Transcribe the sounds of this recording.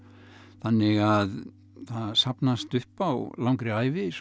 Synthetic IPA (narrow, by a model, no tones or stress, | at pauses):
θanːɪɣað | θaðsapnast̪ʏhpawlawŋkɾɪajvɪs